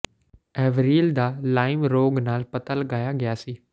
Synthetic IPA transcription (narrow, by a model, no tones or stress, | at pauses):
ɛːʋɾiːld̪aːlaːɪmɾoːɡnaːlpɐt̪aləɡaːjaːɡɪjaːsiː